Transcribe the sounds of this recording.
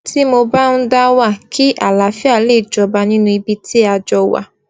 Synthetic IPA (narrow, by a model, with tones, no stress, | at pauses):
ti˦mo˧ba˦n̩˦da˦wa˦˨kʰi˦ʔa˨la˨˦fi˦a˦˨le˦˨d͡ʒɔ˧ba˧nĩ˦nũ˧i˧bi˧ti˦a˧d͡ʒɔ˧wa̰˦˨